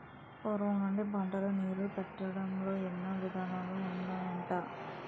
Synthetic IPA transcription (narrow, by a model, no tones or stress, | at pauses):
poɾʋɐnɐɳɖibʱɐɳʈɐlɐniːɾupɛʈːɐɽɐmlo̞ːenːɐʋid̪ʱaːnaːluːndaːjɐɳʈaː